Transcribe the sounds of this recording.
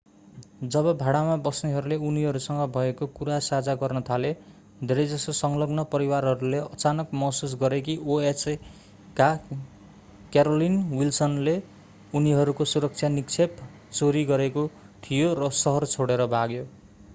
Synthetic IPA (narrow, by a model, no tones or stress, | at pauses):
d͡zʌbʌbʱaɽamabʌsneɦʌɾuleuniɦʌɾusʌŋɡʌbʱʌekokuɾasad͡zaɡʌrnʌt̪ʰale | d̪ʱeɾʌjd͡zʌst̪ʌsʌŋlʌɡnʌpʌɾiwarɦʌɾuleʔʌt͡sanʌkmʌsus̬ɡʌɾekioes | ka | kjaɾolinwilsʌnle | uniɦʌɾukosuɾʌk̚t͡sʰjanikt͡sʰep | t͡soɾiɡʌɾeko | t̪ʰijorʌsʌɦʌrt͡sʰoɽeɾʌbʱaɡjo